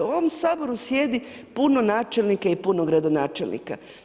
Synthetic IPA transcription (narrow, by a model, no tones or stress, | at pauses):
oʋomsaːbo̞ɾusjeːd̪ipunonaːt͡ʃelnikaipunoɡɾad̪o̞naːt͡ʃelnḭka̰